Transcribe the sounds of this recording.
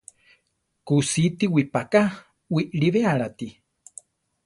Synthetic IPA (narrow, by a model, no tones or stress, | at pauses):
kusit̪iwipaka | wiʔɺiβeaɺat̪i